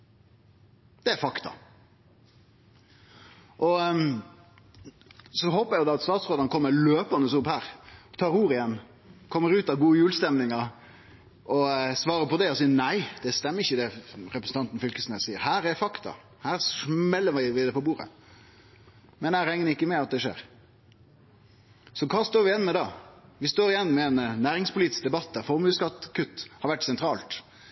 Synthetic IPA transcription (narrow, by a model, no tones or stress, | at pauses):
d̪̥ɛæɾfɑkt̪ɑ̰ | ʔɔ | sɔɦoːpːɾæjʊd̪ɑɑt̪st̪ɑːt̪sʁoːd̪ɑnəkʰɔmːəɾløːpɑnəsʊphæːɾt̪ʰɑːɾuːɾɪjɛnː | kʰɔmːəɾʉːt̪ɑʋɡuːəjʉːlst̪ɛmnɪŋɑ | ʔɔsʋɑːɾəpɔd̪ɛɔs̬iːənæɪd̪̥ɛst̪ɛmːəɾɪçːəd̪ɛɾɛpɾəsn̩t̪ɑnt̪n̩fʏlkəsnəsiːəɾhæːɾɛfɑkt̪ɑ̰ | hæːɾsmɛlːəʋɪʋɪd̪ɛpɔbuːɾə̰ | mɛnæɪɾɛŋəɪkːəmɛɑt̪̚d̪ɛʂḛːɾ | sɔkʰɑːst̪oːɾʋɪjɛnːmɛd̪ɑːʋɪst̪oːɾɪjɛnːmɛɛnnæːɾɪŋspʰʊliːt̪ɪsk̚d̪ɛbɑt̪ːd̪æɾfɔɾmʉːskɑt̪ːkʰʉt̪ːhɑɾʋæʈːsɛnt̪ʰɾɑːlt̪